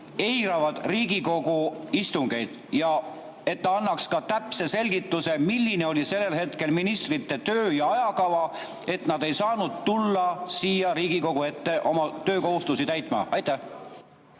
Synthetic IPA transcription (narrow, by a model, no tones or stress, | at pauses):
e̞jɾɑvɑd̪̥riːɡ̥iko̞ɡuist̪uŋɡ̥e̞jd̪̥ | jɑ | e̞t̪ːɑɑnːɑkskɑt̪æpse̞se̞lʲɡ̥it̪ːˑuse̞milːine̞o̞lʲise̞lːe̞lhe̞t̪ke̞lminist̪rit̪ːe̞t̪øːjɑɑjɑkɑvɑ | e̞t̪nɑd̪e̞jsɑːnud̪̥̚t̪ulːɑsiːjɑɾiːɡ̥iko̞ɡ̥ue̞t̪ːe̞ʔo̞mɑt̪ø̞ːko̞ɦust̪usit̪æjt̪ˑmɑ̰ɑjt̪ːˑæh